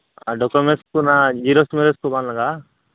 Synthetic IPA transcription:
aɖɔkomeʈskunad͡ʒiɾosmeɾeskubaːnlaɡa

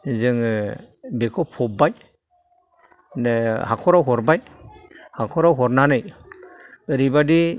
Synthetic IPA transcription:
zɯŋ | bekʰɔpʰɔp̚baj | nhakʰɔɾawɦɔɾbaj | hakʰɔɾawɦɔɾnanɯj | ɯɾibadi

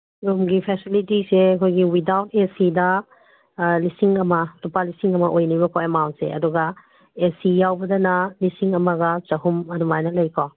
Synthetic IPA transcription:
jumɡipʰɛsilitiseɐkʰojɡiwidawtʰesidɐ | lisiŋɐmɐtupalisiŋɐmɐʔojnibɐkʰaemawnt̚sḛɐ̰duɡɐ | esijawbɐdɐnɐlisiŋɐmɐɡɐt͡ʃɐɦumɐdumajnɐlɐjkʰaw

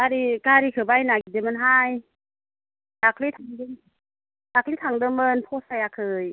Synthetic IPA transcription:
aɾikaɾikʰɯbajnaɡidemɯnɦaj | dakʰlit̪ʰaŋdɯm | dakʰlit̪ʰaŋdɯmɯnpʰɔsajakʰɯj

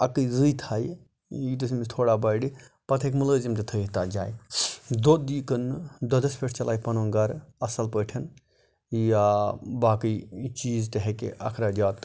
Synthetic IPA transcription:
ɐkɨjzɨt̪ʰaːj | jit̪ismist̪ʰoːɽaːbɐːɖi | pɐt̪ʰekmuləːzimt̪ɐt̪ʰəːɦt̪aːd͡ʒaːjd̪od̪iːkənd̪ɐd̪ɐspʰeʈʰt͡ʃɐlaːjpɐnoːŋɡɐɾɐsɐlpəːʈʰɐn | jabaːkɨjt͡ʃiːzt̪ɐɦekḛʔɐ̰kʰɾaːd͡ʒaːt̪

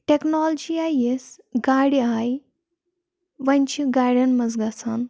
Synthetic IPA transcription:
ʈeknoːld͡ʒiajes | ɡaːɽiaj | ʋɐnʲt͡ʃʰiɡaːɽʲɐnmɐzɡɐsʰɐn

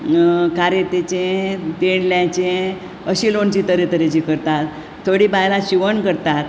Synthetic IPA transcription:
kaɾet̪et͡ɕẽt̪eɳljãt͡ɕẽ | əɕilont͡ɕiːt̪əɾet̪əɾet͡ɕikəɾt̪at̪ | t̪ʰːoɽiːbajlaɕiʋəɳkəɾt̪at̪

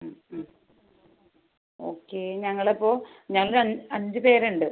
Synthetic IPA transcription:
mm | o̞̰ːkːe̞ɲɐŋːɐɭepːo̞ː | ɲɐŋːɐɭɐɐɲd͡ʑɨpe̞ːɾuɳɖɨ

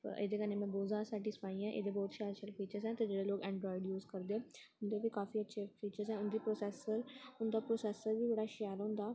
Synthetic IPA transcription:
ḛːd̪eːkənẽːmɛ̃ːboːzaːsɛːʈiːspaːiːɛ̃ʔḛːd̪eːbɔːt̪ʃɛːɾʃəlfiːt͡ʃəɾzɛ̃ːt̪eːd͡ʒeːɽeːloːɡɛ̃ːɳɖɾɔːɪɖjuːzkəɾd̪eːʊnd̪eːʋikaːfiːətːʃʰefiːt͡ʃəɾzɛ̃ːʊnd̪iːpɾoːsɛːsəɾʊnd̪aːpɾoːsɛːsəɾʋiːd͡ʒeːɽaːʃɛːɾɦʊ̃nd̪aː

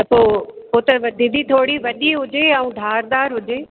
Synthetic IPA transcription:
t̪ɐpoːpoːt̪ɐʋɐd̪ʱɪd̪it̪ʰoːɽiʋɐɗiɦʊd͡ʑeaːũːd̪ʱaːɾd̪aːɾɦʊd͡ʑeː

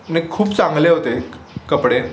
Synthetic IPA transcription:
nẽkʰuːpt͡sãŋɡleɦot̪e | kəpɽe

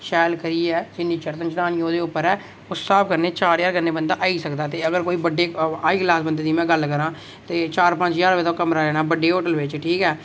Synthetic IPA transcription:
ʃɛːlkəɾiːɛːd͡ʒɪnːiːt͡ʃəɾt̪ənt͡ʃd̪aːnijõːd̪eːʊpːəɾɛː | ʊssaːb̚kəɾneːt͡ʃaːɾjaːɾɡənːeːbənd̪aːʔaːiːsəkd̪aːt̪eːəɡəɾkoːiːbəɖːeːaːiːklaːsbənd̪eːd̪iːmɛ̃ːɡəlkəɾãː | t̪eːt͡ʃaːɾpə̃ɲt͡ʃjaːɾbed̪õːkəmɾaːɾɛːnaːbəɖeːɦoːʈəlʋɪt͡ʃʈʰiːkɛː

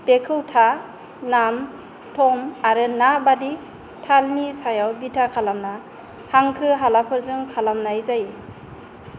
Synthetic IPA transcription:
b̥ekʰɯwtʰa | nam | tʰɔmaɾɯnabadi | tʰalnisajawbitʰakʰalamna | haŋkʰɯɦalapʰɯɾzɯŋkʰalamnajzaji

